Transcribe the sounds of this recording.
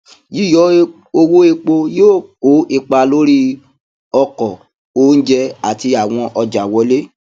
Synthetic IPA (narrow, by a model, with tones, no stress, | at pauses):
ji˦˨jɔ˨˦ | o˧wo˦e˧k͡po˧joː˦˨ko˨˦i˧k͡pa˧lo˦ɾi˦ | ɔ˧kɔ˨ | o˦n̩˦d͡ʒɛ˧a˨ti˧a˨w̃ɔ̃˧ʔɔ˧d͡ʒa˨wɔ˧˦le˦